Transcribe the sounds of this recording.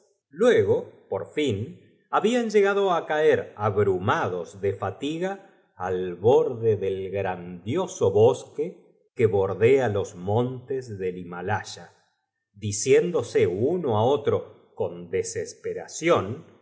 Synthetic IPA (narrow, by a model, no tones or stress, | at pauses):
lweɣo̞po̞ɾfin | aβianʒe̞ɣaðo̞akaeɾaβɾumaðo̞zðefat̪iɣaː | lβo̞ɾðeðelɣɾand̪jo̞so̞βo̞ske | keβo̞ɾðealo̞zmõnt̪ezðe̞limalaʃa | ðisje̞nd̪o̞seunoao̞t̪ɾo̞ | ko̞nd̪esespeɾasjon